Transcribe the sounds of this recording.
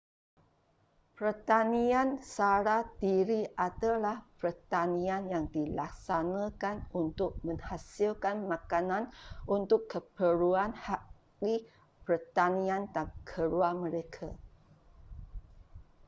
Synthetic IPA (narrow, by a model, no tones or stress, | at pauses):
pərt̪aniansaɾadiɾiʔat̪alahpərt̪anĩanjaŋdilak̚sanãkanunt̪ʊk̚mə̃ŋhasilkanmakanãnʔunt̪ʊkːəpəluanhaʔ | li | pərt̪anĩand̪aŋkʰəɾuamə̃ɾekʰa